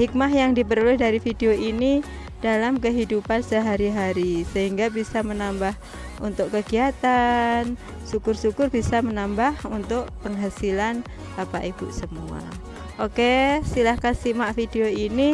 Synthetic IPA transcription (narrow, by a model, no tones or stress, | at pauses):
hik̚mahjaŋdip̬əɾuluɪhdaɾifideoʔini | d̥alamkəɦidupansəɦaɾiɦaɾisəɦiŋɡabisamənambah | unt̪ʊkkːəɡiat̪an | sukʊrsukʊrbisamənambahunt̪ʊk̚pəŋɦasilan | bapaʔibṵʔsəmua̰ | ʔokesilahkansimaʔfideoini